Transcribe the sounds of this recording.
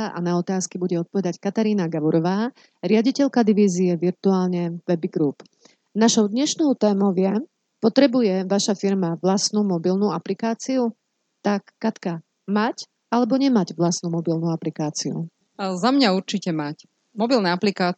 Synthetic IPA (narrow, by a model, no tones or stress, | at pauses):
ʔa̰naɔt̪aːskibuɟɛɔt̪̚pɔʋɛd̪ackat̪aɾiːnaɡaʋɔɾɔʋaː | ɾɪaɟicɛʎkad̪iʋiːziɛʋiɾt̪uaːlɲɛʋɛbiɡɾuːp | naʃɔʊd̪ɲɛʃnɔʊt̪ɛːmɔʊʋɪɛ | pɔt̪ɾɛbujɛʋaʃafiɾmaʋlast̪nuːmɔbilnuːaplikaːt͡siu | t̪akːat̪ka | mac | alɛbɔɲɛmaɟʋlasnumɔbilnuaplikaːt͡siṵ | zamɲauɾt͡ʃicɛmac | mɔbilnɛaplikaː